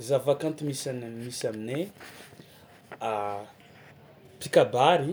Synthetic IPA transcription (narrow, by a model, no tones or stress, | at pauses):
zavakant̪imisanmisamine | a | pikabaɾi